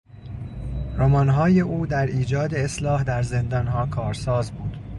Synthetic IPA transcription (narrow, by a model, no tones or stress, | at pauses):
ɾomɒnɦɒːjeʔuːd̪æɾiːd͡ʒɒːd̪e̞eslɒːhd̪æɾze̞nd̪ɒːnɦɒːkʰɒːɾsɒːzbuːd̪̥